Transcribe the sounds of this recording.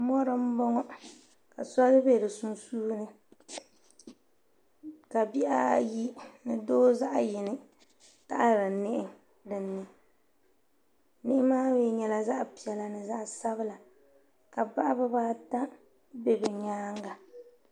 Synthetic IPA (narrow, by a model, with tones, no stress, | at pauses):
mɔ˦ɾɨ˨m̩˦bɔ˦ŋɔ˦ | ka˨sɔ˦dɨ˦be˦˨dɨ˨su˦nsuː˦nɨ˦ | ka˨bi˦ʔa̰˦ji˦nɨ˨doː˦za˦ʔjɪ˨nɨ˦ | ta˦ʔa˦ɾa˨nɪ˦ʔɪ˦ | dɨ˨nːɨ˨ | nɪ˦ʔɪ˦maː˦weː˦ɲɛ˦la˨za˦ʔpi˨ɛ˨la˨nɨ˨za˦ʔsa˦βɨ˦la˨ | ka˨ba˦ʔa˦ba˦baː˦ta˦ | be˦bɛ˨ɲaː˦ŋɡa˨